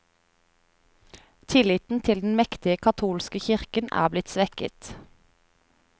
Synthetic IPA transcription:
t̪ʰɪlɪt̪n̩t̪ʰɪld̪n̩mɛkt̪ɪəkʰɑt̪ʰuːlskəçɪʁkənæ̰ːblɪt̪sʋɛkə̰t̪

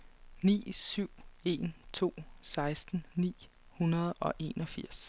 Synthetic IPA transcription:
nḭːsyʊ̰e̝nt͡sʰo̝̰ːsɑ̈ɪsd̥n̩nḭː | hunɐð̞ˠɒ̽ʔe̝nɒ̽fiɐ̰s

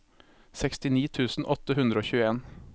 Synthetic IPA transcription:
sɛkst̪ɪniːt̪ʰʉːsn̩ʔɔt̪əhʉnd̪ɾəoːçʉːəeːn

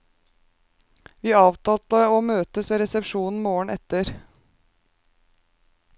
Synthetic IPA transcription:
ʋiːɑːʋt̪ɑːlt̪əoːmøːt̪əsʋeːɾɛsɛpʃuːnn̩moːəɳ̩ɛt̪əɾ

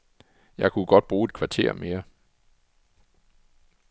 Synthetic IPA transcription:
jɑ̈ɪkʰuɡ̥ɒ̽d̥̚b̥ʁuːe̝d̥̚kʰʋɑ̈t͡sʰe̝̰ɐ̰me̝ːɐ

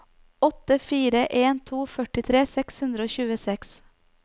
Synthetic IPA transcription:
ɔt̪əfiːɾəʔeːnt̪ʰuːfœʈɪt̪ʰɾeːsɛkshʉnd̪ɾəoːçʉːəsɛks

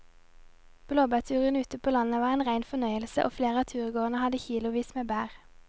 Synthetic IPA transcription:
b̥loːbæːʁt̪ʰʉːʁənʉːt̪əpʰoːlɑnəʋɑːʁeːnʁæɪnfɔnœʏəlsə̰ʔo̰ːfleːʁəɑːt̪ʰʉːʁɡoːʁənəhɑd̪əçiːlʊʋiːsmeːbæːʁ

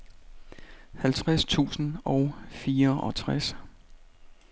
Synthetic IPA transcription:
hælt͡sʰʁast͡sʰṵːsn̩ɒ̽ʊfiːɐʔɒ̽t͡sʰʁas

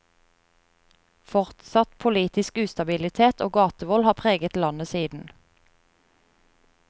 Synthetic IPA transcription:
fɔʁt̪sɑt̪pʰʊliːt̪ɪskʉːst̪ɑbɪlɪt̪ʰeːt̪ʰo̰ːɡɑːt̪əʋɔlhɑːpʰʁeːɡət̪lɑnəsiːd̪n̩

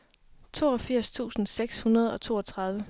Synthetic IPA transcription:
t͡sʰo̝̰ːɒ̽fiɐ̰st͡sʰṵːsn̩seɡ̥shunɐð̞ˠɒ̽t͡sʰo̝ːɒ̽t͡sʰʁɑ̈ð̞ˠʋə

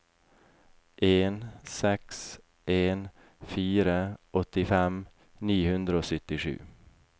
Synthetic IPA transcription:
ʔeːnsɛks | ʔeːn | fiːɾəʔɔt̪ːɪfɛm | niːhɵnd̪ɾəoːsʏt̪ːɪɧʉ̰ː

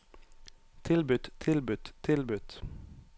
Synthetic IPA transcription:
t̪ʰɪlbʉt̪t̪ʰɪlbʉt̪t̪ʰɪlbʉt̪

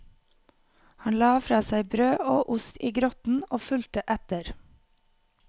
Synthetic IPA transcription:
hɑnlɑːfɾɑːsæɪbɾøːʔoːʔʊst̪iːɡɾɔt̪n̩oːfʉlt̪əʔæt̪əɾ

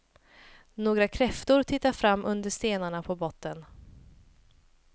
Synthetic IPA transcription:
noːɡɾakʰɾɛft̪ʊɾt̪ʰɪt̪ːafɾamːʔɵnd̪əʂt̪eːnaɳapʰɔbɔt̪ːən

